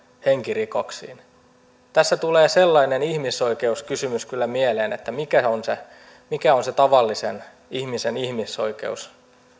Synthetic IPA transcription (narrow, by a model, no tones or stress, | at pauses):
heŋkirikoksḭːn | t̪æsːæt̪uleːselːɑinenihmiso̞ikeuskysymyskylːæmieleːnet̪ːæmikæonse | mikæonset̪ɑʋɑlːisen | ihmisenihmiso̞̰ikḛus